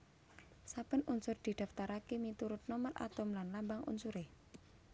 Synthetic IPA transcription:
sabənunsʊrd̪̥i̤d̪̥a̤ft̪aɾakemit̪uɾʊt̪̚nomərʔa̰t̪ʊmlanlambaŋṵnsuɾe

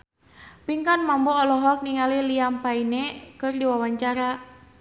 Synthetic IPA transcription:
piŋkanmambɔːlɔɦɔk̚niŋaliliampainekɨrdiwawaɲt͡ʃaɾa

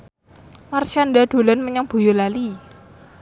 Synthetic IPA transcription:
marʃandad̪̥o̤lanməɲaŋb̥o̤jolali

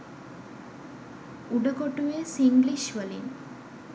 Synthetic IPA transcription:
uɖɐkoʈːuʋesiŋɡliʃʋɐlin

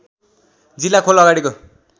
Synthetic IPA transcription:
d͡zilːakʰolʌɡaɽiko

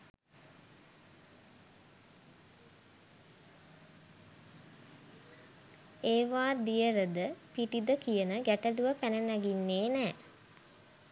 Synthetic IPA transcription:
eːʋaːd̪ijəɾəd̪əpiʈid̪əkijənəɡæʈəluʋəpænənæɡinːeːnæː

